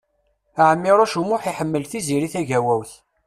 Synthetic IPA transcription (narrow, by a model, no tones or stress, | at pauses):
æʕəmːiɾˤoʃumʊħiħəmːəlθiziɾiθæʝæwæwθ